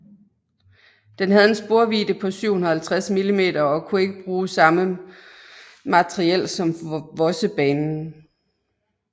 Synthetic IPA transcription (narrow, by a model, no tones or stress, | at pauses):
d̥enɦæð̞ˠe̝nsb̥o̝ɐʋḭːd̥əpʰɒ̽syʊ̰hun̩ɐhælt͡sʰʁasmilime̝̰ːdɐɒ̽kʰue̝ɡ̥əb̥ʁuːsɑ̈mə | mæt͡sʰʁiel̰sɒ̽mʋɒ̽səb̥ɛːnn̩